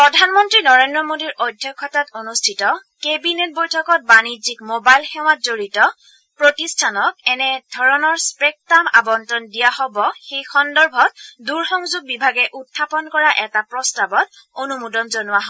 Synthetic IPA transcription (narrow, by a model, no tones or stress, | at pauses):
pɹɔdʱanmɔntɹinɔɹendɹɔmodiɹʔɔjdʱjɔkʰːɔtatonustʰitɔkebinet̚bojtʰɔkɔt̚banid͡ʒikmobajlxɛw̃atzoɹitɔ | pɹotistʰanɔk̚ɛnɛdʱɔɹɔnɔɹspɹɛk̚tama̰bɔntɹɔndijahɔbɔxejxɔndɔɹbʱɔt̚duɹxɔŋzuɡ̚bibʱaɡɛʔutʰːapɔnkɔɹaʔɛtapɹɔstabɔt̚ | onumudɔnzɔnʊwaɦɔ